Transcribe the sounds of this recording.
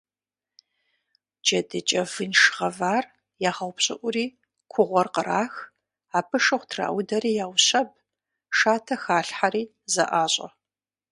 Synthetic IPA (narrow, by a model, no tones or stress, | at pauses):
d͡ʒɐdɨt͡ʃʼɐvɨnʃʁɐvaːr | jaːχɐwpɕʼɪʔʷʊɾiː | kʷʰʊʁʷɔrqəɾaːx | aːpʰɨʂɨχʷtʰra̰ːwdɐɾiːjaːwɕɐb̚ | ʂaːtʰɐxaːɬħaɾiː | zɐ̰ʔaːɕʼɐ̰